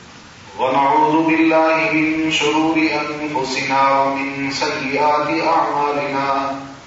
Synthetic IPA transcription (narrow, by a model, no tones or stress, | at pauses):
wɐnaʕuːðʊbɪlːaːhɪmɪnʃʊɾuːɾɪʔanfʊsɪnaːwmɪnsɐjːɪʔaːt̪ɪʔaʕmaːlɪnaː